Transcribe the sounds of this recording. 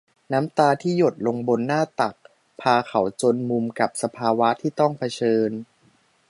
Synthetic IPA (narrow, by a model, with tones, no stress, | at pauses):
naː˦˥mt̪aː˧t̪ʰiː˥˩jo˨˩t̪̚lo˧ŋbo˧nːaː˥˩t̪a˨˩k̚ | pʰaː˧ka˩˦wt͡ɕo˧nmu˧mka˨˩p̚sa˧pʰaː˧wa˦˥t̪ʰiː˥˩t̪ɔ˥˩ŋpʰa˧t͡ɕʰɤː˧n